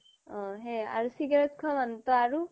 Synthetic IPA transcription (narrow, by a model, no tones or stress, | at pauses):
ɔ̃ɦẽa̰ɹusiɡaɹɔt̪̚kʰɔmant̪ɔaɹu